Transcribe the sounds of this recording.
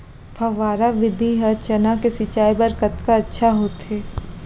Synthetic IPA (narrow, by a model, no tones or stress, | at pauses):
pʰɐʋaːɾaʋɪd̪ʱiɦɐt͡ʃɐnakesɪt͡ʃaːibɐɾkət̪kaɐtːʃʰaɦoːt̪ɦeː